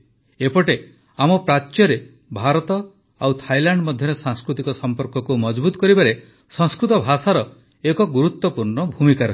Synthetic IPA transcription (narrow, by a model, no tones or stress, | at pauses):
epɔʈe | amɔpɾatːjɔɾe | bʱaɾɔt̪ɔ | awt̪ʰajlaɳɖmɔd̪ʱjɔɾesãŋskɾut̪ikɔsɔmpɔɾkɔkumɔd͡ʒbut̪ɔ̥kɔɾibaɾe | sɔ̃ŋskɾut̪ɔbʱasaɾɔ | ekɔɡuɾut̪wɔpuɾɳɔbʱumikaɾ